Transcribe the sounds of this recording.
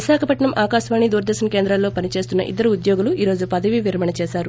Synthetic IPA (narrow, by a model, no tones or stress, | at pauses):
ʋiʃaːkʰɐpɐʈɳɐmʔaːkaːʃʋaːɳid̪uːɾɐd̪ɛːʃɐnɐke̞ːnd̪ɾaːlːo̞ːpɐnit͡ʃe̞ːst̪unːɐ̰ʔḭd̪ːɐɾuud̪jo̞ːɡuluʔiːɾo̞ːd͡ʒupɐd̪ɐʋiʋiɾɐmɐɳɐt͡ʃɛːsaːɾu